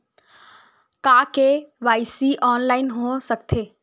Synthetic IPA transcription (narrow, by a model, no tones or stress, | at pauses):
kaːkeʋaːɪsiʔɔːnlaːɪnɦosəkt̪ʰeː